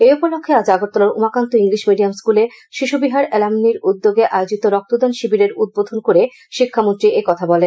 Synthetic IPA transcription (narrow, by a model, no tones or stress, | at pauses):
eupolokʰːead͡ʑaɡoɾt̪olaɾṵmakant̪oiŋliʃmiɖijamskule | ʃiʃubiɦaɾɛlamniɾud̪ːoɡeʔaeod͡ʑit̪oɾɔk̚t̪od̪anʃibiɾeɾud̪̚bod̪ʱonkoɾe | ʃikʰːamont̪ɾiʔekɔt̪ʰabɔlen